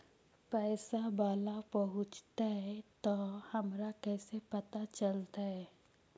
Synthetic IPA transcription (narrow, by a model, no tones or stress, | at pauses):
pɛːsabaːlapəɦʊ̃t͡ʃt̪aɦɛt̪ɔhɐmɾakɛːsepət̪at͡ʃəlt̪aɦɛ